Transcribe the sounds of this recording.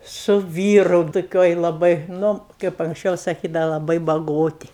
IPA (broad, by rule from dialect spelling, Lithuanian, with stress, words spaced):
sʊ ˈʋʲiːrʊ toːˈkʲoːj lˠɐˈbɐɪ ˈnʊ kɐɪp ɐŋksʲˈt͡ʃʲɛʊ sɐˈkʲiːdɐʋɐ lˠɐˈbɐɪ bɐˈɡoːtʲɪ